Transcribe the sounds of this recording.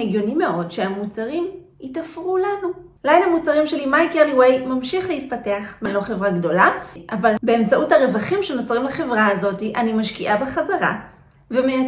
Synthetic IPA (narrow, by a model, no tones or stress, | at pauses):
eɡjo̞nime̞ʔo̞dʃeamut͡saʁim | itafʁulanu | lajnamut͡saʁimʃelimajkeʁliwejmamʃiχlehit̚pate̞aχbenlo̞χe̞vʁaɡdo̞laʔavalbe̞emt͡saʔuthaʁe̞vaχimʃeno̞t͡sʁimleχe̞vʁaːzo̞tiʔanimaʃkiʔabeχazaʁa̰ | vemea